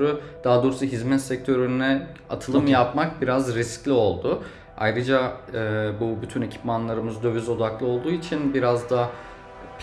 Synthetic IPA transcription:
ɾud̪̥aɦad̪oːɾsuɦizmɛt̪sɛc̚t̪ʰø̞ɾynnɛa̰t̪ʰɯlˠɯmjapmak̚biɾazɾisclʲio̞lˠd̪ʊ | a̰jɾɯd͡ʒa | bubyt̪ʰyne̞cʰi̥pmanlˠaɾɯmɯzd̪ø̞vyzo̞d̪aklˠɯo̞lˠd̪uːit͡ʃʰinbiɾazd̪a | p

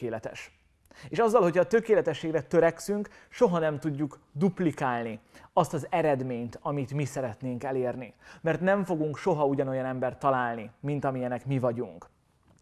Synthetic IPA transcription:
eːlɛt̪ɛ̰ʃ | eːʃɒzːɒlɦo̞chɒt̪ø̞keːlɛt̪ɛʃːeːɡrɛt̪øɾɛksyŋk | ʃo̞ɦɒnɛmt̪uɟːuk | d̪uplikaːlniɒst̪ɒzɛɾɛd̪meːɲt̪ɒmit̪misɛɾɛt̪neːŋkɛleːrnimɛrt̪nɛɱfo̞ɡuŋkʃo̞ɦɒuɟɒno̞jɒnɛmbɛrt̪ːɒlaːlnimint̪ɒmijɛnɛkmivɒɟuŋk

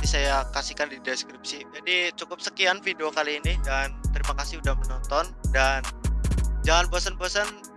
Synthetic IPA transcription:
t̪isajakasikandideskɾip̚sid͡ʒadit͡ʃukʊp̚səkianfideokaliːnidant̪əɾimakasɪhudahmənɔnt̪ɔndan | d͡ʒaŋanbosənbosən

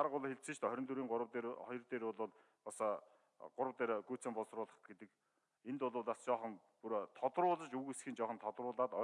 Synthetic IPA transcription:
aɾʁʊɮxeɬt͡sɘ̆t͡ɕt̪œɾʲɞ̆nt̪uɾiːŋwt̪eχɔjɞ̆rt̪eːɾʊɮʊːɮ | pas | ɢ̥ʊɾə̆wt̪eːɾɡujʰt͡sĕːmpɔɮsrʊːɮə̆χɡet̪ɘ̆k | ent̪ʊɮʊːɮast͡ɕɔːχɞ̆n | puɾt̪ʰɔt̪rʊːɮə̆t͡ɕuɣesxĭnt͡ɕɔːχɞ̆nt̪ʰɔt̪rʊːɮaːt̪ɔ

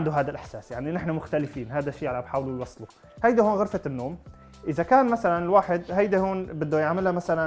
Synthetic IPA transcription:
nd̪uɦaːd̪alʔɪħsaːsjaʕninɪħnamʊxt̪alɪfiːnɦaːd̪aʃiːʕalabħaːwlulwɑsˤlu | hajd̪ihoːnɣʊɾfat̪ɪnːoːm | ʔɪzakaːnmasalanɪlwaːħɪd̪hajd̪ihoːnbɪd̪ːujaʕmɪlhamasalan

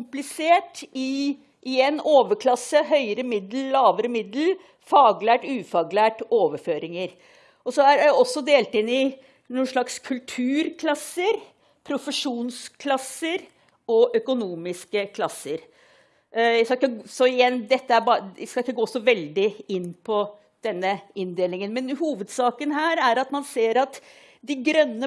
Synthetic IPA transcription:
ʊmplɪseːʈɪ | ʔɪɛnoːʋəkʰlɑsːəɦœʏəɾəmɪd̪l̩lɑːʋəɾəmɪd̪l̩ | fɑːɡlæːʈʉːfɑːɡlæːʈoːʋəføːɾɪŋəɾ | ɔsɔæɾæɔsːɔd̪eːlt̪ɪnːɪ | nuːnʂɭɑkskʰʉlt̪ʰʉːɾkʰlɑsːəɾ | pʰɾʊfəʂuːnskʰlɑsːəɾ | ɔʔœkʊnuːmɪskəkʰlɑsːəɾ | jæɪskɑɪkːəsɔɪjɛnːd̪ɛt̪ːəæɾbɑskɑlɪkːəɡoːsɔʋɛld̪ɪɪnːpʰɔ | d̪̥ɛnːəɪnd̪eːlɪŋənmɛnhuːʋəd̪sɑːkənɦæːɾæɾɑt̪mɑnseːɾɑt̪ | d̪ɪɡɾœnːə

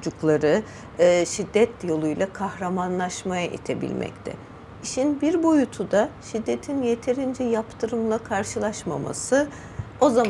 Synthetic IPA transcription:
d͡ʒuklˠaɾɯː | ʃid̪ːɛt̪ʰjo̞lˠujlˠakʰahɾamanlˠaʃmajaʔḭt̪ʰe̞bḭlʲmʔɛ̰ct̪ʰɛ̰ | iʃinbiɾbo̞jut̪ʰud̪aʃid̪ːe̞t̪ʰinje̞t̪ʰe̞ɾind͡ʒɛjapt̪ʰɯɾɯmlˠakʰaɾʃɯlˠaʃma̰ma̰sɯ | o̞za

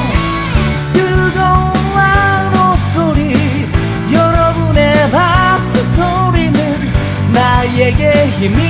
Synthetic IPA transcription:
jɯd̪owanosoɾi | jʌɾʌbɯnebak̚sɯsoɾinɯn | najeɡeçimi

